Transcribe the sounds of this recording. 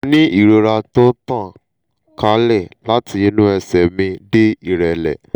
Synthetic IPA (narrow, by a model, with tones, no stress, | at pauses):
nĩ˦i˦˨ɾo˧ɾa˧to˦tã˦˨ | ka˧˦lɛ˦˨la˦tʰi˧i˧˦nũ˦ɛ˧sɛ˨mĩ˧de˦i˦˨ɾɛ˨lɛ̰˨